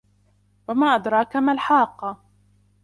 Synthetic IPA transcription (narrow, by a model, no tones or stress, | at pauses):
wamaːʔad̪ɾˤɑːkamalħɑːqːɑ